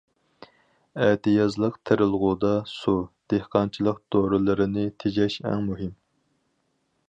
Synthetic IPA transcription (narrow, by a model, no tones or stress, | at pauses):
ɛt̪ɪjɑzlˠəqt̪ʰɪɾɪlˠʁud̪ɑsud̪̥ehqʰɑnt͡ʃʰilˠəqd̪̥oɾɨlˠɨɾɨnɪt̪ʰed͡ʒɛʃɛ̰ŋmuɦɪm